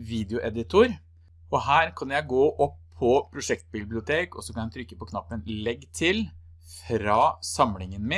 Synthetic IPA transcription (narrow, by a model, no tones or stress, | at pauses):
ʋiːd̪əʊʔɛd̪ɪt̪ʰʊɾ | ɔɦæːɾkʰɑnjæɪɡoːʔɔpʰːɔpʰɾʊʂɛkt̪̚bɪblɪʊt̪ʰeːkɔ̰sɔkʰɑnjæt̪ʰɾʏkːəpɔkʰnɑpːənlɛɡːt̪ʰɪl | fɾɑːsɑmlɪŋənmɪ